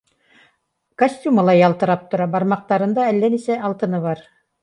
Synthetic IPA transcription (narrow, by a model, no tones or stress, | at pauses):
kɐsʲtʲumalˠɑjɑlˠt̪ɯ̆ɾɑp̚t̪uɾɑbɑɾmɑq̚t̪ɑɾɯ̆nd̪ɑɛlːɛnisɛɑlˠt̪ɯ̆nɯβɑɾ